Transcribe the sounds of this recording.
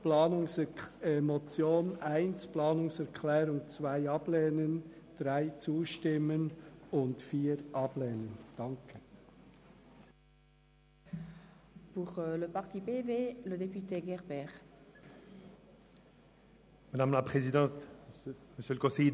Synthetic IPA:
plaːnʊŋsɛemɔt͡sjoːnaɪnsplɑːnʊŋsɛʁkʰlɛːɾʊŋt͡svaɪɑblɛːnən | d̥ʁaɪt͡suːʃtɪmənʊntfiːɾʔɑblɛːnənd̥ɑŋkʰə | puʁləpaʁt̪ipeveləd̪epyt̪eɡɛʁbɛːʁ | madamlapχezidɑ̃ːt̪ | məsjølkosi

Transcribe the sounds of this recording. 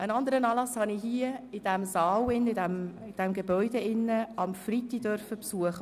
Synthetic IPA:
ʔənɑnd̪əɾənɑːlɑshɑniɦiəɪd̥æmzɑːwɪnːɪdæmɪd̥ɛmɡebɔʏdeɪnːəɑmfrit̪idœɾfəpsuəχə

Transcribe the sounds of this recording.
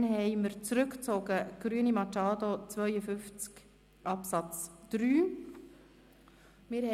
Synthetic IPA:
nɦɛɪməɾt͡sɾʏkt͡soɡəɡ̥ɾyənimɑt͡ʃɑːdot͡svœʏjəfʏft͡sk | ʔɑpsɑt͡sd̥ɾyː | mɪɾh

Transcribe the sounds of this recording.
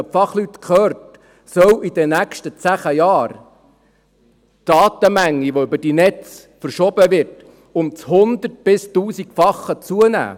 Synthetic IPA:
əpfɑχlytkχœːɾt | sœwʔid̥̪ɛnækʃtət͡sæχəjɑːɾ | d̥ɑːtəmæŋːiʋoʏbəd̥inɛt͡s | fəɾʃɔbəʋɪrt | ʊmt͡shʊnd̪ərt̚b̥ɪstuːsikfɑχːət͡suənæ̰ː

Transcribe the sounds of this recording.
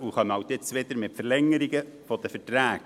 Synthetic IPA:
uχɑməhɑʊt̪ɪt͡sʋed̪əɾmɪtfəɾlɛŋːəɾiɡəfɔd̥̪əfətɾæːk

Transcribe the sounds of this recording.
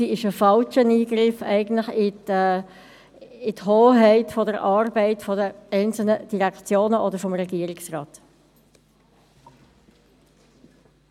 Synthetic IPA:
iɪʃəfɑlt͡ʃəniːɡɾɪfɛɪɡən̩tlɪχɪ | ɪthoːɦɛɪtfɔdəɾʔɑːrbɛɪtfɔdəɛɪnt͡sl̩nəd̥iʁɛkt͡sjoːnəʔɔdəɾfɔmʁɛɡiːəɾɪksrɑːt

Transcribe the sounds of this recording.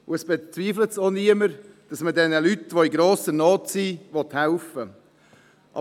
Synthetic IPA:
ʊɛsb̥et͡sviːflətsoniəməɾ | d̥ɑsmədɛnəlytʋoiɡɾoːsənɔːtsivɔthaʊfə | ʔɑ̰

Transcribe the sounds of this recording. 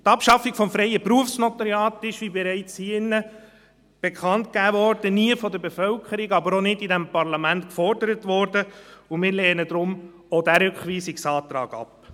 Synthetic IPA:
tɑpʃɑfiɡfɔmfɾɛɪəpɾuəfsnɔt̪ɑɾjɑːtɪʃʋibɛɾɛɪt͡shiɪnːə | b̥ekχɑntkæːvɔɾd̥əniəfɔd̪əɾbefœlkʰəɾiɡɑbəɾonɪdidɛmpɑɾlɑmæntkfɔɾdəɾətʋɔɾdəʊmɪːɾlɛːnəd̪ɾʊm | odæɾʏkχʋiːsiksɑːt̪ɾɑ̰ːɡ̥ɑ̰p

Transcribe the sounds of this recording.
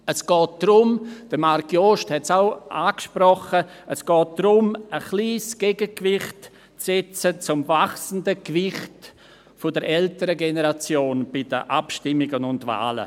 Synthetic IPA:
əsɡ̥ɔːt̚d̥rʊmd̥əmaɾkjoʃthɛtsaʊʔaːkʃprɔχə | əsɡ̥ɔːt̚d̥rʊməχliːsɡ̥ɛɡəkvɪχt | t͡sɛt͡sət͡sʊmvaχsn̩dəkvɪχt | fʊdəɾʔɛltəɾəɡenəɾat͡sjoːnb̥ɪdə̰ʔapʃtɪmɪɡənʊndva̰ːlə̰

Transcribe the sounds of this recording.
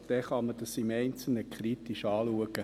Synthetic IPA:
d̥ɛχɑməd̥ɑsimɛɪnt͡sl̩nəkʰχɾit̪iʃɑːluəɡ̥ə

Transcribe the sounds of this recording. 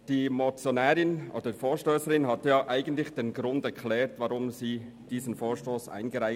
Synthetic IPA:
d̥iːmot͡sjonɛːɾɪnʔo̰ːd̥əifoːʃtøːsəɾɪnɦatjaːʔaɪɡən̩tlɪçd̥eːnɡɾʊndɛkʰlɛːɾtvaɾʊmziː | d̥iːzən̩foːʃtoːsʔa̰ɪnɡəɾaɪ

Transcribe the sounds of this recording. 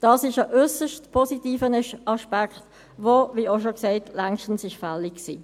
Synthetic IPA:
d̥ɑːsɪʃəʔʏsəʃtpʰɔsitiːfənəʃɑʃpakχt | voviːoʃokseɪtlɛŋʃtn̩sɪʃfɛlɪksiː

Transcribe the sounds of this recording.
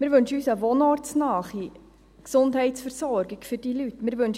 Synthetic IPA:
mɪːɾʋɵnʃəyːsəʋonɔɾtsnɑːχi | ksʊndɦɛɪtsfəɾsɔɾɡiɡfʏɾd̥ilytːmɪːɾʋɵnʃ

